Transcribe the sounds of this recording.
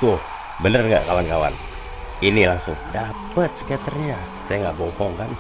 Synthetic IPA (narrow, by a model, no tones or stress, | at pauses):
t̪ʊh | bənərŋɡa̰ʔkawankawa̰n | inilaŋsʊŋdapət̪̚sə̥kɛt̪ərɲa | sajaŋɡaʔbɔhɔŋkan